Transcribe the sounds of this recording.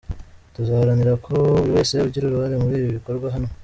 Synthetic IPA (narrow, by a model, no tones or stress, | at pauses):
tuzahaɾaniɾakʰo̞uɾiwe̞ːsejauɾɟiɾuɾuhaɾemuɾiːβiiβiko̞ɾɡwaɦano